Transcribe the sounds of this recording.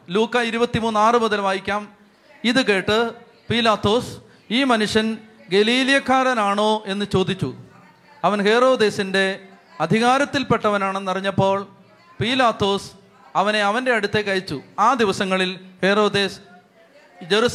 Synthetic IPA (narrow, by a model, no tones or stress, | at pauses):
luːkːɐiɾubɐt̪ːimuːnːaːrɨmuðɐlʋaːjikʲːaːm | iðɨke̞ːʈːɨ | piːlaːt̪ːo̞ːs | iːmɐnuʂjɐn | ɡe̞liːlijɐkːaːɾɐnaːɳo̞ːʔe̞nːɨt͡ɕo̞ːd̪it͡ɕːu | ɐʋɐnhe̞ːro̞ːd̪e̞ːsinde̞ | ɐd̪ʱiɣaːɾɐt̪ːilpe̞ʈːɐʋɐnaːɳenːɐriɲːɐpːo̞ːɭ | piːlaːt̪ːo̞ːs | ɐʋɐne̞ɐʋɐnde̞ɐɽut̪ːe̞kːɐɾit͡ɕːuaːd̪iʋɐsɐŋːɐɭilhe̞ro̞ːd̪e̞ːs | d͡ʑeɾus